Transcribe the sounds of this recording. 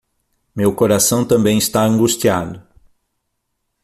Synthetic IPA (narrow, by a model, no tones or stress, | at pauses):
mewkoɾasɐ̃w̃t̪ɐ̃mbẽj̃ist̪aɐ̃ŋɡust͡ʃiad̪ʊ